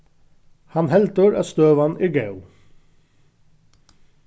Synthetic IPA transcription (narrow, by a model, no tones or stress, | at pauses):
hɑnhɛlt̪əɹæ̰ːst̪øːʋɑnʔiːɡɑʉ